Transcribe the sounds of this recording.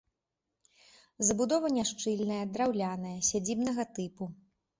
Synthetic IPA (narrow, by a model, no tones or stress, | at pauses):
zɐbud̪ɔvɐnʲaʂt͡ʂɨlʲnɐjɐd̪ɾawlʲanɐjɐsʲad͡zʲibn̪ɐɣɐt̪ɨpu